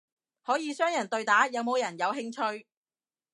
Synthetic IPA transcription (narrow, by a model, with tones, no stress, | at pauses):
hɔː˨˥jiː˨˧sœː˥ŋjɐ˨˩nt̪ɵ˧ɥt̪aː˨˥jɐ˨˧wmo˨˧wjɐ˨˩njɐ˨˧wɦɪ˧˥ŋt͡ʃʰɵ˥ɥ